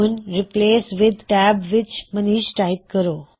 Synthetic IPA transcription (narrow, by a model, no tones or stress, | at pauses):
nɾipleːsʋɪd̪ʈæbʋɪt͡ʃməniːʃʈajp̚kəɾo